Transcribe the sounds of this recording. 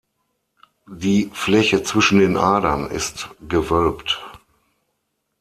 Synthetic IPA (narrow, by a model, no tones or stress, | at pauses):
diːflɛçət͡sv̥ɪʃn̩deːnʔaːdɐnɪ̰stɡ̥əvœlpt